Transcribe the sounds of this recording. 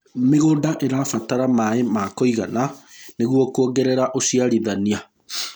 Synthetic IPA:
meɣodaʔeɾafataɾamaemakɔiɣananeɣwɔkuɔɡɛɾɛɾaʔosiaɾiðania

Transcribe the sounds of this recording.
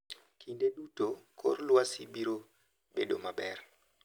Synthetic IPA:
kʰindeɗutokʰo̰rlwasibiɾo | bedomabɛr

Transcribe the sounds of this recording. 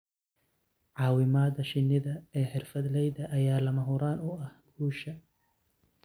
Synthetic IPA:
ʕɑːwɪmaːd̪ɐʃɪnːɪðɐɛːħɪrfɐd̪lɛjðɐʔːjaːlɐmɐɦʊɾaːnʊɐhɡuːʃɐ

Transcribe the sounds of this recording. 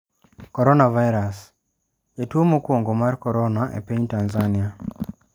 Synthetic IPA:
kɔɾɔnavajɾas | etuomokwoŋɡomaɾkɔɾɔnaʔḛpeɲtanzania

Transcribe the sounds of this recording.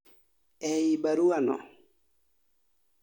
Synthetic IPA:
ɛjibaɾuanɔ̰

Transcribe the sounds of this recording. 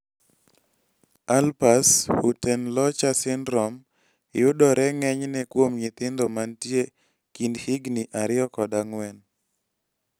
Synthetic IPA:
alpashutɛnlɔt͡ʃasɪnɾɔm | ɪjʊdɔɾɛŋɛɲnɛkwomɲɪt̪ɪnd̪ɔmantje | kindhiɡniʔaɾɪjɔkɔdaŋwɛn

